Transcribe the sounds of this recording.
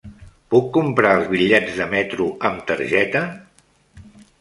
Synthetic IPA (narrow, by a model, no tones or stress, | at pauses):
pukːumpɾaəlˠzβiʎɛd͡zðəmɛt̪ɾuəmt̪əɾʒɛt̪ə